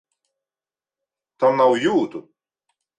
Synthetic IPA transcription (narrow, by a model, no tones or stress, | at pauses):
t̪ʰanːawjuːt̪u